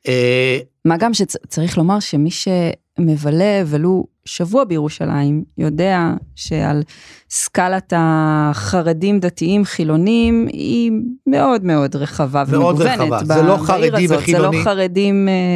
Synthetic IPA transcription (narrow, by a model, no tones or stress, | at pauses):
emaɡamʃet͡saʁiχlo̞maʁʃe̞miʃe̞ | mevale̞ːvelu | ʃavuabejeʁuʃa̰la̰imjo̞de̞aʃe̞a̰lskalataχaʁedimdatiimχilo̞niimḭmeʔo̞dmeo̞dʁeχavaveeɡuvenetbaeloaiʁaztzeloχaʁedime